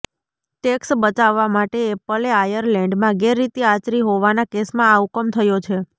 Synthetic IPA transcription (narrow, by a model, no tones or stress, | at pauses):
ʈeksbət͡ʃaʋːamaʈeːpəleajəɾlɛ̃ɳɖmãɡɛɾːit̪iat͡ʃɾiɦoʋanakesmãːukəmt̪ʰəjot͡ʃʰe